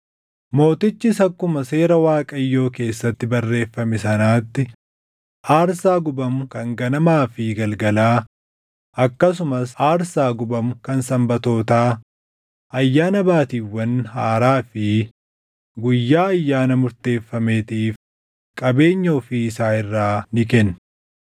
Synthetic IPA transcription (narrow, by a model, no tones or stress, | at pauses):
mo̞ːt̪ɪt͡ʃːɪsɐkːʊmɐse̞ːɾɐwaːkʼɐjːo̞ːke̞ːsːɐt̪ːɪbɐrːe̞ːfːɐmɪsɐnaːt̪ːɪ | ʔaːɾsaːɡʊbɐmʊkɐŋɡɐnɐmaːfɪɡɐlɡɐlaː | ʔɐkːɐs̬ʊmɐsaːɾsaːɡʊbɐmʊkɐnsɐmbɐt̪o̞ːt̪aː | ʔɐjːaːnɐbaːt̪iːwːɐnhaːɾaːfɪ | ɡʊjːaːɐjːaːnɐmʊɾt̪e̞ːfːɐmeːt̪iːf | kʼɐbe̞ːɲːɐɔfiːɪsaːɪrːaːnɪkɛnː